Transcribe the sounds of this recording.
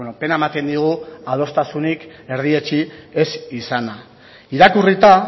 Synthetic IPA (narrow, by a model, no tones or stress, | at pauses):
nope̞naemat̪e̞nd̪iɣ̞uaðo̞st̪asunik | e̞ɾð̞ie̞t͡ʃie̞sisana | iɾakurit̪a